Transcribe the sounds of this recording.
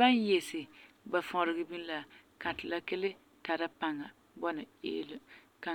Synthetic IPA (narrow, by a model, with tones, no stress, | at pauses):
ba˦n˦jɛ˨sɪ˨ba˨fɔ˨ɾɪ˨ɡɪ˦bi˦n˦la˨ka˨tɪ˨la˦ke˦lɪ˦ | ta˨ɾa˦pa˨ŋa˨ | bɔ˦na˨ḛː˦lʊ˦ka˨